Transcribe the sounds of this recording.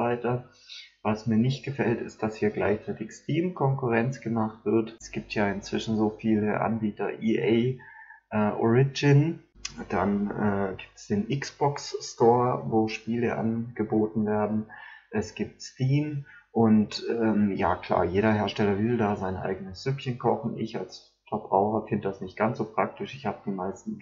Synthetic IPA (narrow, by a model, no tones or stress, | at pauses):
vaɪtɐ | vasmiːɐnɪçt̚ɡ̥əfɛltɪst̚d̥ashiːɐɡlaɪçt͡saɪtɪçstiːmkʰɔŋkʊʁɛnt͡sɡ̥əmaχtv̥ɪɐtsɡ̥iːp̚tʰjaːɪnt͡sv̥ɪʃn̩zoːfiːləʔa̰nbiːtɐ̰ʔiːʔeɪʔɛːʔɔ̰ʁɪd͡ʒɪn | d̥anʔɛːɡiːp̚tə̥sd̥eːnʔɪksb̥ɔksːtɔːɐvoːʃpiːlə̰ʔa̰nɡ̥əboːtn̩veːɐdn̩ʔɛsɡ̥iːp̚tstiːm | ʔʊntʔɛːmja̰ːkʰl̥a̰ːɐjeːɾɐheːɐʃtɛlɐvɪldaːzaɪnʔa̰ɪɡənəsz̥ʏpçənkʰɔχn̩ʔɪ̰ça̰ls | fɛɐb̥ʁaʊxɐfɪndəd̥asnɪçt̚ɡ̥ant͡sz̥oːpʁ̥ak̚tɪʃɪçhaːbəd̥iːmaɪstn̩